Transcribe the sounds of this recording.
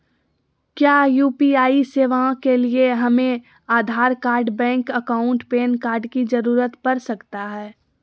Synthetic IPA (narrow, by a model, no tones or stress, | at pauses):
kjaːjuːpiaːiseːʋaãkelieɦɐmẽ | aːd̪ʱaːɾkaːɾɖbɛ̃ːŋkəkaːʊ̃ɳʈpeːnkaːɾɖkid͡ʒɐɾuːɾət̪pɐɾsɐkt̪aɦɛː